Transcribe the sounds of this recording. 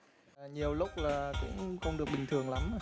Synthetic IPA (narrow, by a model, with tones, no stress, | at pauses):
ɲi˨˩əwlʊ˦˥k͡p̚laː˨˩kʊ̰˧˥ŋ͡mxə˧wŋ͡mɗɨ˨˩ək̚ɓï˨˩ŋ̟t̪ʰɨ˨˩əŋla˨˦m˧˩